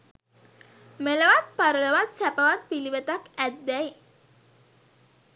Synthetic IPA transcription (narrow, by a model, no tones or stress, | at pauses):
meləʋat̪̚paɾələʋat̪sæpəʋat̪̚piliʋet̪akæd̪ːɛj